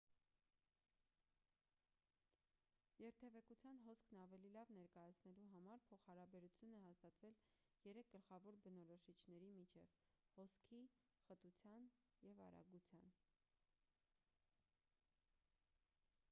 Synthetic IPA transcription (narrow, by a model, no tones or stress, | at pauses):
jɛɾt̪ʰɛvɛkut͡sʰjɑnɦɔskʰnɑvɛlilɑvnɛɾkɑjɑt͡sʰnɛluɦɑmɑɾpʰɔχhɑɾɑbɛɾut͡sʰjunɛɦɑst̪ɑt̪vɛl | jɛɾɛk̚ʰɡ̥əlχɑvɔɾbənɔɾɔʃit͡ʃʰnɛɾimit͡ʃʰɛv | hɔskʰi | χət̪ut͡sʰjɑn | jɛvɑ̰ɾɑ̰ɡut͡sʰjɑn